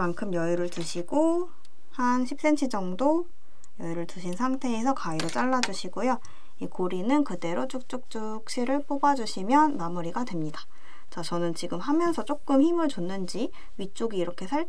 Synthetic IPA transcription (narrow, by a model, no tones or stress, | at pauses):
mankʰɯmjʌiɾɯɭtɯɕʰiɡo | hanɕʰip̚s͈e̞nt͡ɕʰid͡ʑʌŋdo | jʌiɾɯɭtɯɕʰinsʰaŋtʰe̞ːsʰʌkaiɾot͡ɕ͈aɭːad͡ʑuɕʰiɡojo | ikoɾinɯnkɯde̞ɾot͡ɕ͈uk̚t͡ɕ͈uk̚t͡ɕ͈u | k̚ɕ͈ʰiɾɯɭp͈obad͡ʑuɕʰimjʌnːamuɾiɡadwe̞mɲidḁ | t͡ɕat͡ɕʌnɯnt͡ɕiɡɯmɦamjʌnsʰʌt͡ɕ͈ok̚k͈ɯmçimɯɭt͡ɕonːɯnd͡ʑi | ɥit͡ɕ͈oɡiːɾʌkʰe̞sʰaɭ